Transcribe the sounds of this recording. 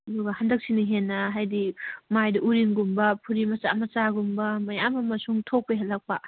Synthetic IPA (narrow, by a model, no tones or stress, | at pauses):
ɐduɡɐhɐndɐk̚siniɦenːɐɦajdimajdɐʔuɾiŋɡumbɐpʰuɾimɐsamɐsaɡumbɐmɐjamɐmɐsuŋtʰok̚peɦɐlːɐk̚pɐ